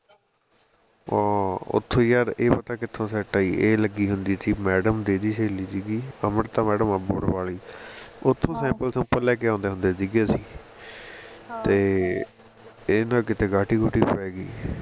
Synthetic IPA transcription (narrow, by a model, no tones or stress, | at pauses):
ʊ̰t̪ʰːõːjaːɾeːpət̪aːkɪt̪ʰːõːsɛːʈaːiːʔeːləɡiːɦʊnd̪iːsiːmɛːɖəmd̪eːd̪iːseːliːsiːɡiːəməɾt̪ãːmɛːɖəmaboɽbaːliːʊt̪ʰːõːsɛ̃ːmpəlsõːpəlɛːk̬eːãːnd̪eːɦʊ̃nd̪eːsiːɡaːsiː | t̪eː | eːnãːkɪt̪eːɡaːʈiːɡʊʈːiːpəɛːɡḭː